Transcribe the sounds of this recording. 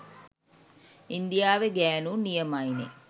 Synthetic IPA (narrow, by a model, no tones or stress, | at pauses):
ind̪ijaːʋeɡæːnunijəmajnḛ